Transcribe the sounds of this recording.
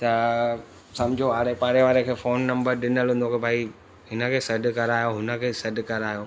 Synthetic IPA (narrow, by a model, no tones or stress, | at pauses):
t̪ɐ | sɐ̃md͡ʑʱoaːɽepaːɾeʋaːɾekʰeːfoːnːɐ̃mbəɾɗɪnəlɦũːnd̪okebʱaːi | ɦɪnə̆kʰeːsɐɖkɐɾaːjoɦʊnə̆kʰeːsɐɖkɐɾaːjoː